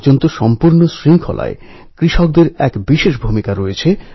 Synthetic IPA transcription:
d͡ʑont̪oʃɔmpuɾnosɾiŋkʰola̰e | kɾiʃok̚d̪eɾɛkbiʃeʃbʱumikaɾojet͡ɕʰe

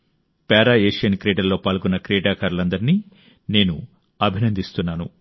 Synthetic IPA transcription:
paːɾaːeːʂjɐnkɾeːʈɐlːo̞ːpaːlɡunːɐkɾɛːʈaːkaːɾulɐnd̪ɐɾiniː | ne̞ːnu | ɐbʱinɐnd̪ist̪unːaːnu

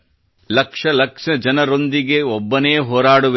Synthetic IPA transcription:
lɐkʂɐlɐkʂɐd͡ʒɐnɐɾo̞nd̪iɡe̞ɔbːɐneːɦoːɾaːɽuʋ

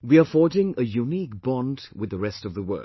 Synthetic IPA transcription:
wiəfɔd͡ʒɪ̃ŋəjunik̚b̥ɔ̃ndwɪððəɹɛstʌvðəwɜ̰˞

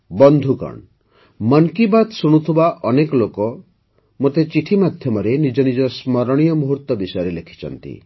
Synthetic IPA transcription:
bɔnd̪ʱukɔ̰ɳ | mɔnkibad̪suɽ̃ut̪ʰubaʔɔnekɔlokɔ | mot̪et͡ʃiʈʰimad̪ʱjɔmɔɾenid͡ʒɔnid͡ʒɔsmɔɾɔɽ̃ijɔmuɦuɾt̪ːɔbisɔjɔɾelekʰi̥t͡ʃʰɔ̰nt̪ḭ

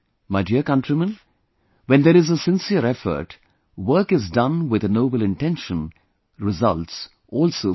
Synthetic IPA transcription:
maɪdiəkʌ̃nʈɾimə̃n | wɛ̃nd̪eɾɪzəsɪ̃nsiəɾɛfə̰ɾʈ | wəɾkɪzdʌ̃nwɪd̪ənoːbəlɪ̃nʈɛ̃nʃə̃n | ɾɪzʌ̰lʈs | ʔɔːlsoː

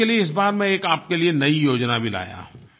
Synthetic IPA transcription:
elieɪs̬baːɾmɛ̃eːkaːp̚kelienɐijoːd͡ʒnabʱila̰ːja̰ː

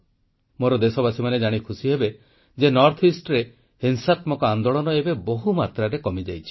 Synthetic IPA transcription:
moɾɔd̪esɔbasimaned͡ʒaɽ̃ikʰusiɦebe | d͡ʒenɔɾt̪ʰisʈɔɾe | hensat̪mɔkɔand̪oɭɔnɔebeboɦumat̪ɾaɾekɔmid͡ʒajt͡ʃʰi̥

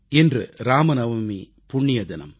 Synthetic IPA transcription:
ɪndrɯ̰ɾaːmɐnɐʋɐmi | pʊɳːɪjɐðɪnɐ̰m

